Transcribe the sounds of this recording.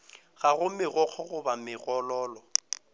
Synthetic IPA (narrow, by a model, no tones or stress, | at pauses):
ɣaɣʊmɪɣɔk͡xʰɔɣʊbamɪɣɔlɔːlɔ